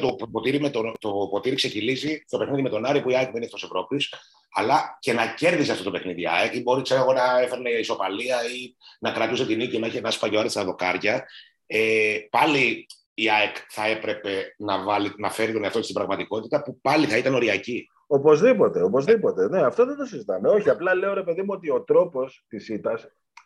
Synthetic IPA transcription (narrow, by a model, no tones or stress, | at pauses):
t̪oppo̞t̪iɾimet̪ot̪opo̞t̪iɾikse̞çilizist̪ope̞xniðime̞t̪o̞nɐɾipuiɐekminift̪ose̞vɾo̞pis | ɐlɐce̞nɐce̞ɾðiseɐft̪o̞t̪o̞pe̞xniðiɐ̰ekibo̞ɾiseeɣo̞nɐe̞feɾne̞iso̞pɐliɐinɐkɾɐt̪use̞t̪inicinɐeçenɐspɐʝoɐɾist̪ɐðo̞kɐɾʝɐ | epɐli | iɐekθɐe̞pɾe̞pe̞nɐvɐlinɐfe̞ɾit̪o̞neɐft̪o̞cestibɾɐɣmɐt̪iko̞t̪it̪ɐpupɐliθɐit̪ɐno̞ɾiɐci | o̞po̞zðipo̞t̪e̞o̞po̞zðipo̞t̪e̞ne̞ɐft̪o̞ðet̪osizit̪ɐmeo̞çiɐplɐle̞o̞ɾe̞pe̞ðimuot̪io̞t̪ɾo̞po̞st̪isit̪ɐs